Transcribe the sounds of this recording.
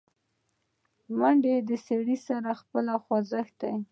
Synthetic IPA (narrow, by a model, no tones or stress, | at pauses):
maɳɖed̪əseɽisaɾaxpəlaxwazəxd̪aj